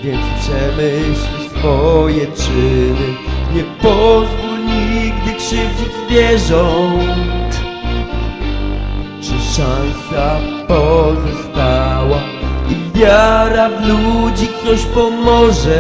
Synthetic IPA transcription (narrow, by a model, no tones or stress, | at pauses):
vʲjɛnt̪st͡ɕɛmɘɕlit͡ɕsfɔjɛt͡ʂɘnɘɲɛpɔzɡulɲiɡd̪ɘkʂɨvd͡ʑid͡ʑvʲjɛʐɔnnt̪ | t͡ʂɨʂañsapɔzɔst̪awa | ibʲjaɾavlud͡ʑikt̪ɔɕpɔmɔʐɛ